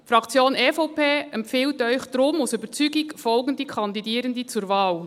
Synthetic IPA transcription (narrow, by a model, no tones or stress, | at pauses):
fɾɑkt͡sjoːnefɔʊpʰeːɛmpfɪːltœʏçd̥ɾʊmʊsybəɾt͡syːɡɪkfɔlɡn̩dəkʰɑndidiːɾəndət͡suːɾvaːl